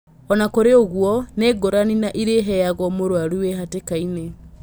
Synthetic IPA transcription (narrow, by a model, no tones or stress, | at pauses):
ɔnakoɾeoɣwɔneːɡoɾaninaʔiɾeɦɛaɣwɔmoɾwaɾueɦatekaine